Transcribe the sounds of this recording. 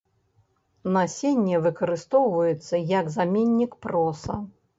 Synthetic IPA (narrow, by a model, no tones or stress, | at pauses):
nasʲenʲːɛvɨkɐɾɨst̪ɔwvɐjɛt̪sːɐjɐɡzamʲenʲːikpɾɔsɐ̰